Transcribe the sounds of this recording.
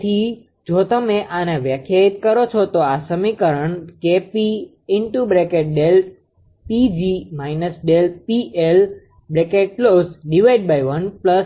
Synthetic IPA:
t̪ʰi | d͡ʒot̪əmeʔaneʋjəkʰjait̪kəɾot͡ʃʰot̪oasəmikəɾəɳkepi | ɪɳʈubɾekeʈ̚ɖel | pid͡ʒimajnəsɖelpiʔel | bɾekeʈ̚klosɖiʋaiɖ̚baiʋənpləs

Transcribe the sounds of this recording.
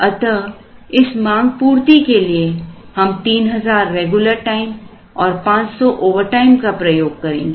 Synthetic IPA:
ɐt̪ə | ɪsmãːŋɡpuːɾt̪ikeliehɐmt̪iːnɦɐzaːɾːeːɡjʊləɾʈaːɪm | ɔːɾpãːt͡ʃsɔʔoːʋəɾʈaːɪmkapɾɐjoːɡ̚kɐɾḛ̃ːŋɡe

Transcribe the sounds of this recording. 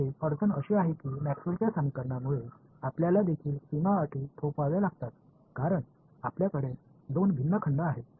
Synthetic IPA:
ɦefəɾt̪ənəɕiaɦekiːmæksult͡ɕjasəmikəɾɳamuɭe | apljalad̪ekʰiːlsimaːʈʰiːt̪ʰopaʋelaɡt̪at̪ | kaɾəɳ | apljakəɽe | d̪onbʱinːəkʰəɳɖəaɦe

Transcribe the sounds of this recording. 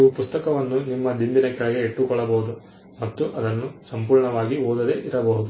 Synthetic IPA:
upust̪ɐkɐʋɐnːunimːɐd̪imb̪inɐkɛɭɐɡeːʈːukɔɭːɐbɐɦud̪u | mɐt̪ːuʔɐd̪ɐnːusɐmpuːɾɳɐʋaːɡioːd̪ɐd̪e̞ʔiɾɐbɐɦud̪u

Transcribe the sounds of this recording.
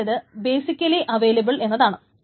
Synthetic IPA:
ɐðɨbe̞ːsikʲːɐliʔɐʋeːlɐbiɭe̞nːɐðaːɳɨ

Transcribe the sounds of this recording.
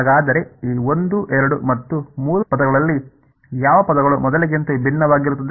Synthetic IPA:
ɡaːd̪ɐɾe̞iːo̞nd̪uʔɛɾɐɽumɐt̪ːumuːɾupɐd̪ɐɡɐɭɐlːi | jaːʋɐpɐd̪ɐɡɐɭumɔd̪ɐliɡint̪ɐbʱinːɐʋaːɡiɾut̪ːɐd̪

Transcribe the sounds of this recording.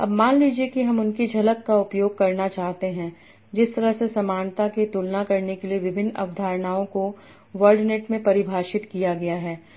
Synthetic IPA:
ɐ̰bmaːnliːd͡ʒiekiɦɐmʊnked͡ʒʱɐləkːaʊpjoːɡ̚kɐɾnat͡ʃaːɦt̪eɦɛ̃ | d͡ʒɪst̪ɐɾəɦsesɐmaːnt̪aket̪ʊlnakɐɾnekelieʋɪbʱɪnːɐ̰ʋd̪ʱaːɾnaːõko | ʋɐɾɖneːʈmẽpɐɾɪbʱaːʃɪt̪kijaɡɐjaɦɛː

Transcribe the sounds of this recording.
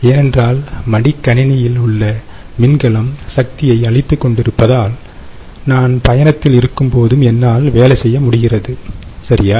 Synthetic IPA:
eːnɛndraːlmɐɽɪkːɐɳɪnɐjɪlʊɭːɐ | mɪnɡɐɭɐmsɐk̚t̪ɪjɐɪɐɭɪt̪ːɯkːɔɳɖɪɾɯpːɐðaːl | naːnpɐjɐnɐt̪ːɪlɪɾɯkːɯmpoːðɯmɛnːaːlʋeːlɐsɛjːɐmʊɽɪɣɪrɐðɯsɐɾɪjaː

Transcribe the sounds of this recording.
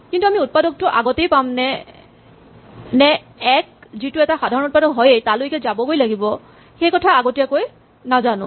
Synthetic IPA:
kintuamiut̚padɔk̚tɔʔaɡotejpamnɛ | nɛ | ɛk̚zitʊɛtaxadʱaɹɔnʊt̚padɔkɦɔjejtalojkɛzabɔɡojlaɡibɔ | xejkɔtʰaaɡotijakoj | nazanʊ̰̃

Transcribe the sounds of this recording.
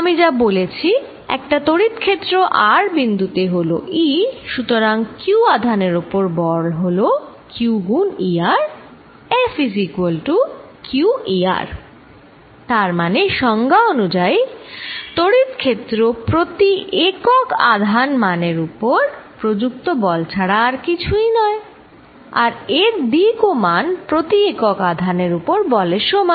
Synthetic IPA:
amid͡ʑabolet͡ɕʰi | ɛ̰k̚ʈat̪oɽit̪kʰet̪ːɾoʔaɾbind̪ut̪eɦolo̰ʔiʃut̪oɾaŋkuad̪ʱaneɾupoɾbɔɽɦolo | kjuɡuniaɾ | efis̬ikuolʈu | kjuʔia̰ɾ | t̪aɾmaneʃɔŋɡaonud͡ʑaj | t̪oɽit̪kʰet̪ːɾopɾot̪iʔekoka̰d̪ʱanmaneɾupoɾpɾod͡ʑuk̚t̪obɔlt͡ɕʰaɽaɾkit͡ɕʰujnɔe | a̰ɾeɾd̪ikomanpɾot̪iekokad̪ʱaneɾupoɾbɔleʃɔmɔ

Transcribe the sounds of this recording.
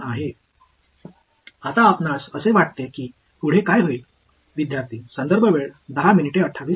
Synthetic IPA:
aɦe | at̪aːpnasəseʋaʈ̚t̪ekiː | uɽ̤ekajɦoi | ʋid̪jaɾt̪iːsənd̪əɾbʱəʋeɭd̪əɦaminiʈeəʈʰːaʋiː

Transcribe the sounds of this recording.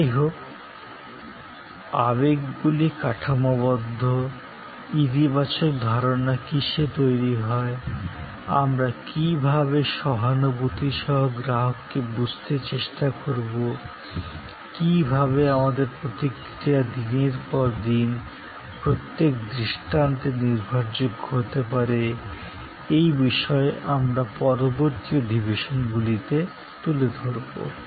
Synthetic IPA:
ɦok | aβekɡulikaʈʰamoβɔd̪ʱːo | it̪ibat͡ɕok̚d̪ʱɔɾonakiʃet̪ojɾiɦɔe | a̰mɾakibʱabeʃɔɦanobot̪iʃɔɦoɡɾaɦokːebud͡ʑʱt̪et͡ɕeʃʈakoɾbo | kibʱaβeamad̪eɾpɾot̪ik | ɾiad̪ineɾpɔɾd̪in | pɾot̪ːekd̪ɾiʃʈant̪eniɾbʱaɾd͡ʑoɡhot̪epaɾe | ejbiʃɔeʔamɾapɔɾoboɾt̪iod̪ibeʃonɡulit̪e | t̪uled̪ʱoɾbo̰

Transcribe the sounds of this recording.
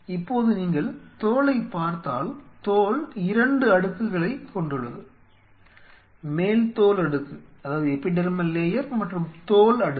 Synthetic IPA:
ɪpːoːðɯniːŋɡɐɭt̪oːlɐɪpːaːɾt̪aːlt̪oːlɪɾɐɳɖɯɐɽɯkːɯɣɐɭɐɪkːɔɳɖɯɭːɐðɯ | meːlt̪oːlɐɽɯkːɯɐðaːʋɐðɯɛpːɪɖɐɾɯmɐnleːjɐɾmɐʈrɯmt̪oːlɐɽɯ

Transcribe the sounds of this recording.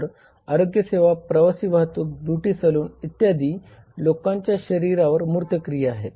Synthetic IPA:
ɾ | aɾoɡjəseʋapɾəʋasiːʋaɦt̪uːk̚d̪uʈiːsəluːnit̪jad̪iː | lokãɲt͡ɕjaɕəɾiɾaʋəɾmuɾt̪əkɾijəaɦe

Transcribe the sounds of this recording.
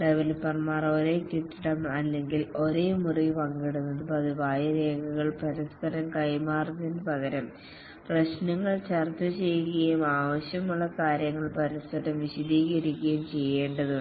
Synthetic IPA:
ɖeʋɐlpːɐrmaːro̞ɾe̞ːkiʈːiɽɐmɐlːe̞ŋɡilo̞ɾeːmuripɐŋɡiɽunːɐðɨpɐðiʋaːjɐɾe̞ːɡɐɣɐɭpɐɾispɐɾɐmkɐjmaːrt̪inpɐɣɐɾɐm | prɐɕnɐŋːɐɭt͡ɕɐrt̪ːɐt͡ɕe̞jkːɐjumaːʋɐɕjɐmuɭːɐkaːɾjɐŋːɐɭpɐɾispɐɾɐmʋiɕɐd̪iːɣɐɾikʲːɐjumt͡ɕe̞jːeːɳɖɐðɨ

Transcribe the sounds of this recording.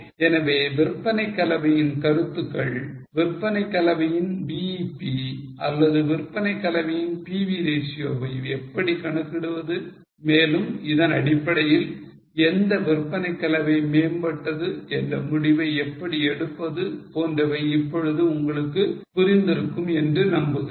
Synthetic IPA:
ɛnɐʋeːʋɪrpːɐnɐɪkːɐlɐʋɐjɪnkɐɾɯt̪ːɯkːɐɭʋɪrpːɐnɐɪkːɐlɐʋɐjɪnbiːpːiʔɐ̰lːɐðɯʋɪrpːɐnɐɪkːɐlɐʋɐjɪnpiːʋid̪eːsɪjoːʋɐjɛpːɐɽikɐɳɯkːɪɽɯʋɐðɯ | meːlɯmɪðɐnɐɽɪpːɐɽɐjɪl | ɛnd̪ɐʋɪrpːɐnɐɪkːɐlɐʋɐɪmeːmbɐʈːɐðɯɛndrɐmʊɽɪʋɐɪɛpːɐɽiɛɽɯpːɐðɯpoːndrɐʋɐɪɪpːɔɻɯðɯʊŋɡɐɭɯkːɯpʊɾɪnd̪ɪɾɯkːɯmɛndrɯnɐmbɯðɯ

